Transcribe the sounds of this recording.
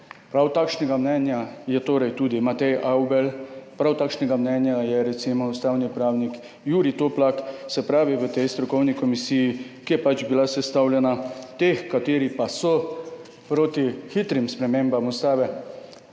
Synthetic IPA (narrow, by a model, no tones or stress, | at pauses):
pɾawt̪aːkʃnɛɡamnɛnjajɛt̪oːɾɛjt̪uːd̪imat̪ɛjaubɛlpɾawt̪aːkʃnɛɡamnɛnjajɛɾɛt̪simɔust̪aːwnipɾaːwnik | juːɾit̪oplaksɛpɾaːʋiʋət̪ɛjst̪ɾɔkɔwnikɔmisiːjikijɛpad͡ʒbilasɛst̪aːwljɛnat̪exkat̪eːɾipasɔ | pɾoːt̪ixit̪ɾimspɾɛmẽːmbamust̪aːʋɛ